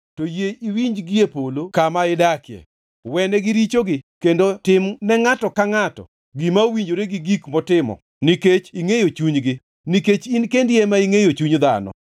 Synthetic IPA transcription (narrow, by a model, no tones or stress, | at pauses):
tojeiwiɲd͡ʒɡɪjepolokamaɪdakɪɛ̰ | wɛnɛɡɪɾit͡ʃoɡɪkendotɪmnɛŋatɔkaŋatɔ̰ | ɡimaowiɲd͡ʒoɾeɡɪɡikmɔtɪmɔ̰ | niket͡ʃiŋejot͡ʃuɲɡɪ | niket͡ʃinkendjemaiŋejot͡ʃuɲd̪a̰nɔ̰